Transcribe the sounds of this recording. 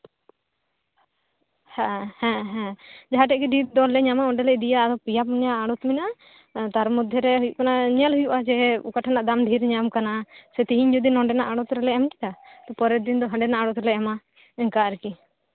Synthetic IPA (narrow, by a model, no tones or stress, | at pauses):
hɛ̃hɛ̃ɦɛ̃d͡ʒaɦaʈ̬ɛʔkiɖʱiɾd̪ɔlːɛɲamaɔɳɖɛlɛʔd̪ijad̪ɔpijapɲaːɽut̪mina | t̪aɾmud̪ʱːɛɾɛɦujuʔkanaɲalɦujuʔad͡ʒɛṵkaʈʰanaʔd̪amɖʱiɾɲamkanasɛt̪iɦiɲd͡ʒɔd̪inɔɳɖɛnaʔaɽɔt̪ɾɛlɛɛmʈid̪at̪ɔpɔɾɛd̪ind̪ɔɦə̃ɳɖɛnaʔaɽɔt̪ɾɛlɛɛma | ɛŋkaɾɛki